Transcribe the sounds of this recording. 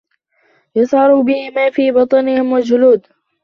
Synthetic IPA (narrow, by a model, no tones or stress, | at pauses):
jɑsʕɑɾuːbɪhɪmaːfiːbɑt̪ˤɑnɪhɪmwad͡ʒʊluːd̪